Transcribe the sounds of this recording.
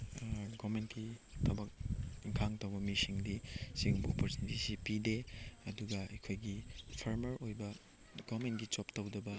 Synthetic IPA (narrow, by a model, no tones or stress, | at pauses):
ɡɔmentkitʰɐbɐk̚iŋkʰaŋtɐwbɐmisiŋdisiŋbopɐɾsinitisipideɐduɡɐɐjkʰojɡipʰɐɾmɐɾojbɐ | ɡomentɡit͡ʃoptɐwdɐbɐ